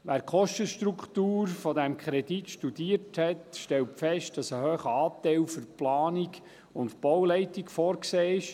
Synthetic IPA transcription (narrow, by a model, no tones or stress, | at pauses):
ʋæːɾkχɔʃtəʃtɾukχtuːɾfɔdɛmkχɾɛditʃtudiːərthɛtʃtɛltfɛʃt̚d̥ɑsəhøːχəɑːtɛɪlfʏɾplɑːniɡ | ʊntb̥ɔwlɛɪtikfɔːrkseːɪʃ